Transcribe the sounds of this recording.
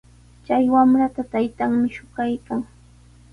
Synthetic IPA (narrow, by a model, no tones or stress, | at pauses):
t͡ʃajwamɾat̪at̪ajt̪aŋmɪʃʊɢajkaŋ